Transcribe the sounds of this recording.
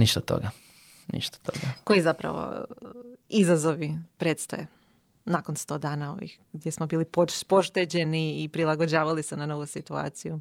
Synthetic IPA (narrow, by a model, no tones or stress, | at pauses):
niʃt̪at̪o̰ɡa | nḭʃt̪ḁt̪oɡako̞jizapɾa̰ʋo̰ | izazo̞ʋipɾeːt̪st̪o̰je | nako̞nst̪o̞ːd̪aːnao̞̰ʋḭx | ɡd̪je̞smo̞biːlipopo̞ʃt̪ed͡ʑe̞niːpɾilˠaɡod͡ʑaːʋalisenano̞ʋusit̪ua̰ːt̪siju